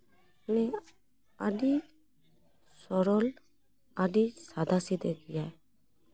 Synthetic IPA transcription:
nɛ | aɖi | sɔɾɔl | aɖisad̪ʱasid̪ɛɡijaj

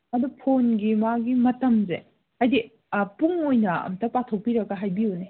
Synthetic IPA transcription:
mɐdupʰonɡimaɡimɐtɐmzḛ | ajdi | puŋojnɐɐ̰mtɐpatʰok̚piɾɐɡɐɦajbione

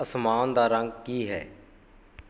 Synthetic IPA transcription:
əsmaːnd̪aːɾəŋɡkiːɦɛ̰ː

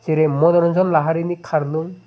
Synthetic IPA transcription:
siɾemɔd̪ɔɾɔnzɔnlaɦaɾinikʰaɾluŋ

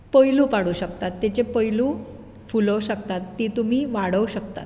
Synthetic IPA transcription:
pəiluːpaɽuːɕəkt̪at̪ːet͡ɕepəiluː | fuləɕək̚t̪at̪ːiːt̪um̤iːʋaɽ̤əwɕək̚t̪a̰t̪

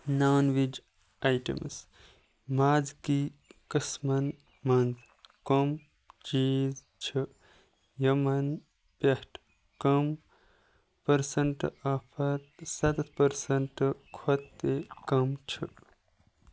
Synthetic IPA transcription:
nawnʋid͡ʒ | ajʈə̰ms | maːd͡zkikəsmɐn | mɐnd̪ | kom | t͡ʃiːz | t͡ʃʰə | jəmɐn | pehʈ | kɐm | pəɾsəɳʈapʰɐɾsɐt̪ɐt̪ʰpəɾsɐɳʈkʰot̪ːekɐmt͡ʃʰə

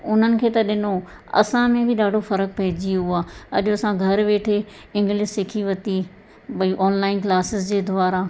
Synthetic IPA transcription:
ʊn̤ənɪ̆kʰeːt̪ɐɗɪno | ɐ̰sãmẽbʱɪɗaːɖʱofɐɾək̚pɐɦɪd͡ʑioɦuaːɐ̰ʄoɐsãɡʱɐɾʋeːʈʰe | ɪ̃ŋɡlɪsɪkʰiʋɐt̪i | bɐiʔɔːnlaːɪnklaːsɪzd͡ʑeːd̪ʱʊʋaːɾa

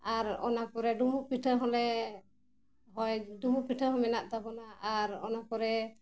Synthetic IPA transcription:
aɾɔ̰nakɔɾɛɖumupiʈʰəɦɔlɛ | ɦɔjɖumupiʈʰəɦɔmɛnaʔt̪abɔnaaɾɔ̰nakɔɾɛ

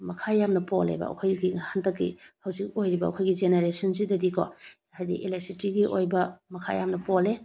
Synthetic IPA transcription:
mɐkʰajamnɐpolḛbɐ̰ɐ̰kʰojɡihantɐkːḭhɐwzik̚ojɾibɐɐ̰kʰojɡid͡ʒeneɾesɐnsidɐdikʰɔ̰ | hajdḭʔelasitiɡiʔojbɐmɐkʰa̰ja̰mnɐpɔle

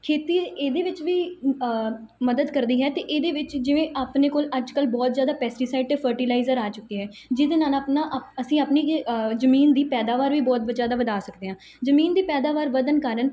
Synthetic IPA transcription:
kʰeːt̪iːeːd̪eːʋɪt͡ʃʋiː | məd̪əd̪kəɾd̪iːɦɛːt̪eːʔeːd̪eːʋɪt͡ʃd͡ʒɪʋẽːʔaːpneːkoːləd͡ʒkəlbɔːt̪zjaːd̪aːpɛːsʈiːsaːɪʈ̚t̪eːpʰəɾʈiːlaːɪzəɾaːt͡ʃʊkiːɦɛː | d͡ʒɪd̪eːnãːnapnaːʔəsĩːaːpniːzəmiːnd̪iːpɛːd̪aːʋaːɾʋiːbɔːt̪̚bəd͡ʒaːd̪aːʋəd̪aːsəkd̪eːɦãː | zəmiːnd̪iːpɛːd̪aːʋaːɾʋəd̪ənkaːɾən

